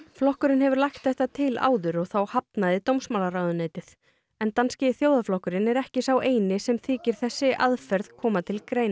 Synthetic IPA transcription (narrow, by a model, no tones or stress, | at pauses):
flɔhkʏɾɪnhɛvʏɾlajxt̪θɛht̪at̪ʰɪla̰ːwðʏɾɔɣθawhapnaðɪt̪owmsmawlaɾaːwðʏneːjt̪ɪð̥ | ɛnt̪anscɪθjoːwðaflɔhkʏɾɪnɛɾɛhcɪsawʔeːjnɪsɛmθiːcɪɾ̥θɛsːɪʔaðfɛɾðkʰɔːmat̪ʰɪlkɾeːjna